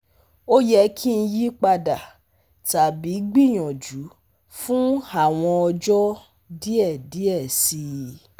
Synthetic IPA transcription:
o˦jɛ˧˦kʰi˦n̩˧ji˦k͡pa˧da˨ | ta˨bi˨˦ɡ͡bi˦˨j̃ɔ̃˨d͡ʒu˨˦ | fũ˦a˦˨w̃ɔ̃˧ɔ˧d͡ʒɔ˦ | di˦ɛ˦˨di˨˦ɛ˦˨si˧

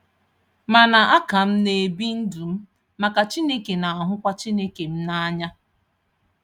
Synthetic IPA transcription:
ma˨na˨ʔa˦ka˨m̩˦ne˨bi˦n̩˦du˨m̩˦ | ma˨ka˨t͡ʃi˦ne˦ke˨na˨a˨ɦʊ˦kʷa˦t͡ʃi˦ne˦ke˨m̩˦na˦a˦ɲa˦

